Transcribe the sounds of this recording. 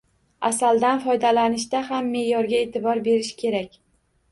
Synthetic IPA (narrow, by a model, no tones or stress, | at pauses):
a̰sald̪anfɒjd̪alanɪʃd̪aɦamːe̞jɒɾɡʲae̞t̪ʰɪbɒɾbe̞ɾɪʃkʲʰe̞ɾakʲ